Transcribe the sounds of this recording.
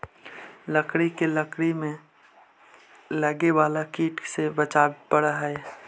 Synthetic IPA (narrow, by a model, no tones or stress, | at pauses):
ləkɽikeləkɽimẽ | ləɡeʋaːlakiːʈsebət͡ʃaːbpəɽaɦɛː